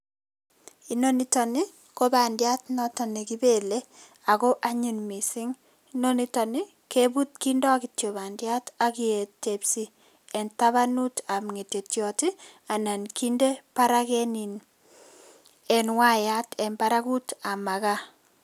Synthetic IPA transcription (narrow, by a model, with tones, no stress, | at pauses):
i˨no˦ni˦tɔ˨ni˦ | ko˦ba˨ndja˦tnɔtɔ˨ne˨ki˦be˨le˦ | a˨kɔ˦ʔa˦ɲi˨nmi˨sɪ˦ŋ | ino˦ni˦tɔ˨nɪ˦ | ke˦bu˦t̚ki˦ndɔ˦kitjo˨ba˨ndja˦ta˨ki˦e˨te˨psi˦ | ɛ˨nta˦βa˦nu˦ta˨mŋe˨te˨tjɔ˨ti˦a˨na˨nki˦nde˦paɾa˦kɛ˦ni˨n | ɛ˨nwa˦ja˦tɛ˨mpaɾaku˦ta˨ma˨ka˦